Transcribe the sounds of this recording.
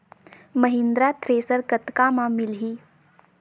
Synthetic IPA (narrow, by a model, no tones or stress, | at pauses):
məɦɪ̃nd̪ɾat̪ʰɾeːsəɾkət̪kamãmɪlɦiː